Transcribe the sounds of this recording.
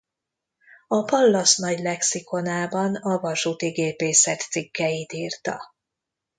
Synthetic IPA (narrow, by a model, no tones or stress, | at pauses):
ɒpɒlːɒsnɒɟlɛksiko̞naːbɒnɒvɒʃut̪iɡeːpeːsɛt̪sikːɛjit̪iːrt̪ɒ̰